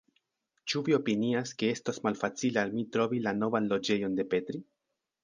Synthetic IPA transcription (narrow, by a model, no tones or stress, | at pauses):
t͡ʃuvio̞piniaske̞e̞stasmalfat͡silealmitɾo̞vilano̞vanlo̞d͡ʒe̞jo̞nde̞pe̞tɾi